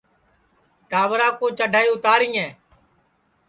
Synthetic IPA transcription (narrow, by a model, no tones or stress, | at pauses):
ʈaːʋɾaːkõːt͡ʃəɖʱaːiːʊt̪aːɾĩːɛ̃ː